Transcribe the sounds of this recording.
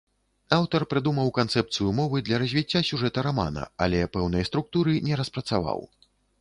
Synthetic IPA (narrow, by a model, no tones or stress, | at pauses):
awt̪ɐrpɾɨd̪umɐwkant̪sɛp̚t̪sɨjumɔvɨd̪lʲɐɾɐzʲvʲit͡sʲːasʲuʐɛt̪ɐɾama̰nɐ̰a̰lʲɛpɛwnɐjɐst̪ɾuk̚t̪uɾɨnʲɛɾɐspɾɐt̪sava̰w